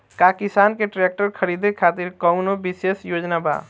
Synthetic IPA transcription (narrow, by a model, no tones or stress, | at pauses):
kakisankeʈɾek̚ʈəɾkʰəɾid̪ekʰat̪iɾkəʊnobisesjod͡ʒnaba̰